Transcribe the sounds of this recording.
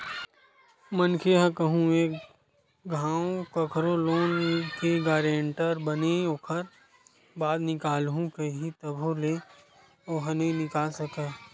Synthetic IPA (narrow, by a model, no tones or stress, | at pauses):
mənkʰeɦə̃kəɦũeːk | ɡʱãːwkɐkʰɾoloːnkeɡaːɾeɳʈəɾbəneoːkʰəɾ | baːd̪nɪkaːlɦũkeɦit̪ɐbʱoleː | oːɦɐnenɪkaːlsɐkeː